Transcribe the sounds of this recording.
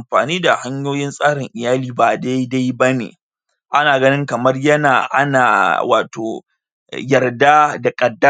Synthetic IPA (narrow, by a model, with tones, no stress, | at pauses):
mɸaː˨niː˦da˨ha˦ɲjoː˦jɪ˦nsʼaː˦ɾɪ˨ŋʔɪ˨jaː˦liː˨baː˨da˦jda˦jbɐ˦nḛː˨ | ʔa˦naː˨ɡɐ˦nɪ˦ŋkɐ˨mɐ˦rjɐ˦naː˨ʔa̰˦naː˨wa̰ː˨to̰ː˨ | jɐ˨rda˦da˨kʼɐ˨dːɐ˦